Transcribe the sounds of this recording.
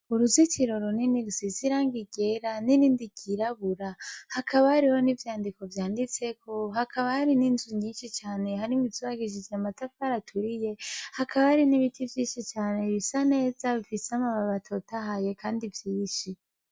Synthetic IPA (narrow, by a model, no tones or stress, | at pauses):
uɾuzit͡ʃiɾo̞ɾoniniɾusiziɾaːŋɡiɡe̞ɾaniɾindiɡ̥iɾaβuɾahakʰaβahaɾiho̞nivjaːndiko̞vjaːndit͡se̞kʰo̞hakʰaβahaɾininzuɲiːnʃit͡ʃaːne̞haɾimizuβaɡiʒid͡ʒjamatafaɾatʰuɾije̞hakaβahaɾiniβitʰivjiːnʃit͡ʃaːne̞βisane̞ːzaβifiseamaβaβatʰo̞taɦaje̞kʰaːndivjiːʃi